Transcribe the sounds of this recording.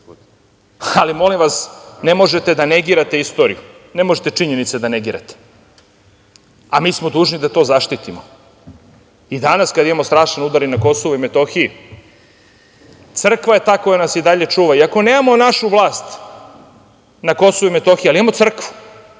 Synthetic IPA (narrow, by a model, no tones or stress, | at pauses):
alimo̞limʋasne̞mo̞ʒe̞t̪ed̪aneɡiːɾat̪eist̪o̞ːɾḭju | ne̞moʒet̪e̞t͡ʂiɲe̞nit̪sed̪aneɡiːɾa̰t̪e̥ | amiːsmod̪uːʒnid̪at̪o̞ːzaʃt̪it̪imo | id̪anaskad̪imamo̞st̪ɾaːʃanud̪aɾinako̞soʋoimet̪o̞xiji | t̪sr̩kʋae̞t̪aːko̞janasid̪aʎe̞t͡ʂuːʋaiako̞neːmamonaʃuʋlˠaːst̪ | nako̞soʋuime̞t̪o̞xijalimamo̞t̪sr̩kʋu̥